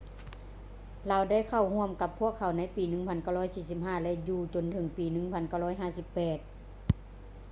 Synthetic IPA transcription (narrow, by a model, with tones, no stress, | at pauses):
laː˧˥wda˥˩˨jkʰa˧˩whu˧˥˨ə˨mka˧pʰːu˥˩əkʰːa˨˧˩wna˧˥jpiː˨˦nɯ˧˥˦ŋpʰa˧˥˨nka˧˩wlɔː˧˥˨jsiː˧˩si˧˦p̚ɦaː˧˥˩lɛ˧ʔjuː˧t͡ɕo˨˧˨nt̪ʰɤ˧˦ŋpiː˨nɯ˧˥ŋpʰa˧˥˨nka˧˩wlɔː˧˥˩jɦaː˧˥˩si˧˦pːɛː˨˩t̪̚